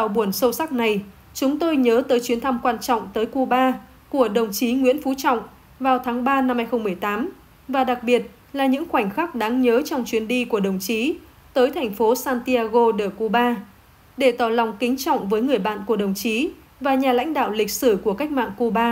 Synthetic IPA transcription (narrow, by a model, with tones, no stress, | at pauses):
t̪a̰ː˨˩wɓu˧˩ənsə˧wsa˦˥k̚na˨˩j | t͡ɕʊ˨˦ŋ͡mt̪o˧jɲəː˨˦t̪əː˨˦jt͡ɕwi˨˦ənt̪ʰa˧mkwaː˧nt͡ɕɔ̰˧˨wŋ͡mt̪əː˨˦jku˧ɓaː˧ | ku˧˩əɗə˨˩wŋ͡mt͡ɕi˨˦ŋwi˧˥ənfu˨˦t͡ɕɔ̰˧˨wŋ͡m | vaː˨˩wt̪ʰaː˨˦ŋɓaː˧na˧mhaː˧jxə˧ŋ͡mmɨ˨˩əjt̪aː˨˦m | vaː˨˩ɗa˨˩k̚ɓi˨˩ət̚ | laː˨˩ɲɨ̰˧˥ŋxwa˧˩ŋ̟xaː˦˥k̚ɗaː˨˦ŋɲəː˨˦t͡ɕɔ˧wŋ͡mt͡ɕwi˨˦ənɗi˧ku˧˩əɗə˨˩wŋ͡mt͡ɕi˨˦ | t̪əː˨˦jt̪ʰɛ˨˩jŋ̟fo˨˦saː˧nt̪i˧aː˧ɣo˧ɗəː˨˩ku˧ɓaː˧ | ɗe˧˩t̪aː˧˩lɔ˨˩wŋ͡mkï˨˦ŋ̟t͡ɕɔ̰˧˨wŋ͡mvəː˨˦jŋɨ˨˩əjɓa̰ː˧˨nku˧˩əɗə˨˩wŋ͡mt͡ɕi˨˦ | vaː˨˩ɲaː˨˩la̰˧˥jŋ̟ɗa̰ː˧˨wlï˨˩k̟̚sɨ˧˩ku˧˩əka˦˥jk̚ma̰ː˧˨nku˧ɓaː˧